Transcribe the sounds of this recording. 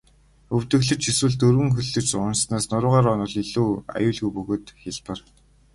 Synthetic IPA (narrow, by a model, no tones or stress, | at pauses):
ɵw̥t̪ɵ̆ɣɮɵ̆t͡ɕʰiswɘ̆ɮt̪ɵrwɘ̆ŋxɵɮɵ̆t͡ɕʊnsnaːsnʊɾʊːʁaːɾɔnʊ̆ɮiɮuːa̰jʊːɮɣujpɵɣoːt̪xɪɮpə̆r